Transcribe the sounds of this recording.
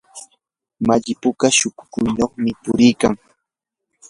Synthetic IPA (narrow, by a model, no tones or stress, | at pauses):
maʎɪpʊkaʃʊkʊ̥kʊjnoχmɪpʊɾɪjkaŋ